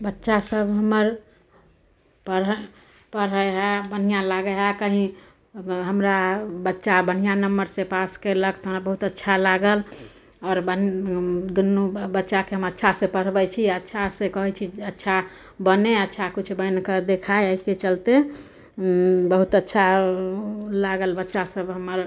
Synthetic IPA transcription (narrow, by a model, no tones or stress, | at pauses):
bətːʃasəbɦəməɾ | pəɾ | pəɾəeɦɛbən̤ijãlaɡəɦɛkəɦĩ | ɦəmɾabətːʃabən̤ijanəmːəɾsẽpaskeləkt̪oɦəmɾabəɦut̪ətːʃʰalaɡəl | ɔːɾbə | d̪unːubətːʃakeɦəmətːʃʰasẽpəɽ̤bɛt͡ʃʰiətːʃʰasẽkəɦɛt͡ʃʰiətːʃʰa | bəneətːʃʰakut͡ʃʰbənked̪ekʰaeəɦiket͡ʃəlt̪e | bəɦut̪ətːʃʰa | laɡəlbətːʃasəbɦəmːəɾ